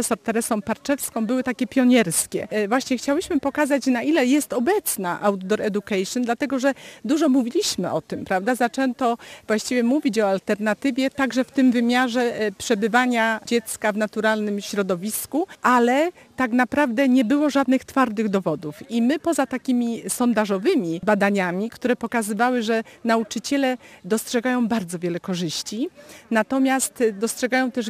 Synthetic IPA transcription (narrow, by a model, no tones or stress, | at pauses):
ɛsɔɾt̪ɛɾɛsɔ̃w̃paɾt͡ʂɛfskɔ̃w̃bɘwɘt̪akʲɛpʲjɔɲɛɾskʲɛ̰vwaɕɲɛxt͡ɕawɘɕmɘpɔkazat͡ɕnaʔilɛjɛst̪ɔbɛt̪snaʔawt̪̚d̪ɔɾɛd̪ukajʂjɔnd̪lat̪ɛɡɔʐɛd̪uʐɔmuvʲilʲiɕmɘʔɔt̪ɘmpɾavd̪azat͡ʂɛnt̪ɔvwaɕt͡ɕivʲjɛmuvʲit͡ɕɔalt̪ɛɾnat̪ɘvʲjɛt̪aɡʐɛft̪ɘmvɘmʲjaʐɛpʂɛbɘvaɲad͡ʑɛt̪skavnat̪uɾalnɘmɕɾɔd̪ɔvʲiskuʔalɛ | t̪aɡnapɾavd̪ɛɲɛbɘwɔʐad̪nɘxt̪faɾd̪ɘɣd̪ɔvɔd̪ufimɘpɔzat̪akʲimʲisɔnd̪aʐɔvɘmʲibad̪aɲamʲikt̪uɾɛpɔkazɘvawɘʐɛnaut͡ʂɘt͡ɕɛlɛd̪ɔstʂɛɡajɔ̃w̃baɾd̪zɔvʲjɛlɛkɔʐɘɕt͡ɕinat̪ɔmʲjast̪d̪ɔstʂɛɡajɔ̃w̃t̪ɛʐ